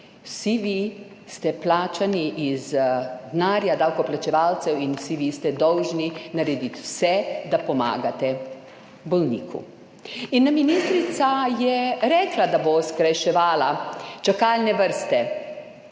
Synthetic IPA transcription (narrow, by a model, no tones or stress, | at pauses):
wsiʋi | st̪ɛplaːt͡ʃaniʔizd̪naːɾjad̪aːwkɔplat͡ʃɛʋaːlt̪sɛwinwsiʋist̪ɛd̪ɔwʒninaɾɛd̪it̪wsɛd̪apɔma̰ːɡat̪ɛ | bɔlnḭːkʰṵ | inːaminiːst̪ɾit̪sajɛɾɛːklad̪aboskɾaʃɛʋaːlat͡ʃakalnɛʋəɾst̪ɛ